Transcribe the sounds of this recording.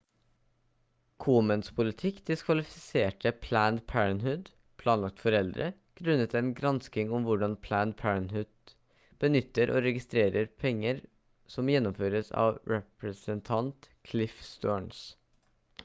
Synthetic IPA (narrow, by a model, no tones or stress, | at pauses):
kʰuːmənspʰʊlɪt̪ʰɪkːd̪ɪskʰʋɑlɪfɪseːʈəpʰlænd̪pʰæːɹənhʉd̪ | pʰlɑːnlɑk̚t̪fɔɾɛld̪ɾə̰ | ɡ̥ɾʉnːət̪ɛnɡɾɑnskɪŋʊmʋʊɖɑnpʰlæːnd̪pʰæɹənhʉd̪̥̚ | b̥ənʏt̪ːəɾʔo̰ːɾɛɡɪst̪ɾeːɾəɾpʰɛŋːəɾ | sɔmjɛnːʊmføːɾəsɑ̰ːʋɾɛpɾəsənt̪ʰɑnt̪kʰlɪfst̪oːɳs